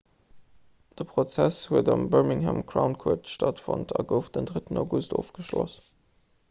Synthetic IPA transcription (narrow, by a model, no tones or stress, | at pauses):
d̥əpʁ̥ot͡sæshuədɑmbəɹmiŋhæmkʰraʊnkʰuɐtʃtɑtfo̰ntʰɑɡəʊfd̥əndʁətənaʊɡustoːfɡ̥əʃlos